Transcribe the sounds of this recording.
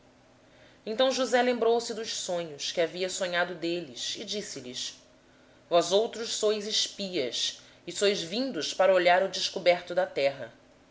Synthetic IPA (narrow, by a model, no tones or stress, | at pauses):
ẽnt̪ɐ̃w̃ʒuzɛlẽmbɾowsɪd̪ʊʃsõɲʊskɪaviɐsõɲad̪ʊd̪eliʃɪd͡ʒisɪlis | vɔzowt̪ɾʊʃsojzɪʃpiɐs | ɪsojzvĩnd̪ʊʃpaɾɐoʎaɾʊd͡ʒɪʃkobɛɾt̪ʊd̪ɐt̪ɛɦɐ